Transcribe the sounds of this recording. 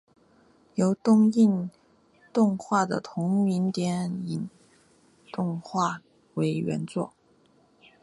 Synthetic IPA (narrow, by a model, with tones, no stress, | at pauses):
jo˧˥ʊt̪ʊ˥ŋi˥˧n | t̪ʊ˥˧ŋxwa˥˩d̪ə̰˩t̪ʰʊ˧˥ŋmi˧˥nt̪jɛ˧˥ni˨˩n | t̪ʊ˥˧ŋxwa˥˩ | we˧˥ɪɥɛ̰˧˥nt͡swɔ̰˥˩